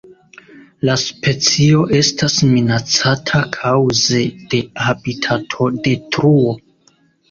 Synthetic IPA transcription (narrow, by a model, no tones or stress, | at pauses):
laspe̞t͡sio̞ʔe̞stasminat͡satʰakʰawze̞d̥e̞abitʰatʰo̞de̞tɾuo̞